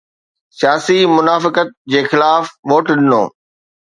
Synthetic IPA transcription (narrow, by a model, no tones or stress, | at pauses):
sijaːsimʊnaːfɪkət̪̚d͡ʑeːxɪlaːfʋoːʈɗɪno̰ː